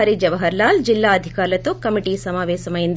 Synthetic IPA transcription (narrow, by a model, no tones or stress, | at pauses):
ɾid͡ʒɐʋɐɦɐɾlaːld͡ʒilːaːɐd̪ʱikaːɾlɐt̪okɐmiʈisɐmaːʋeːsɐmɐjind̪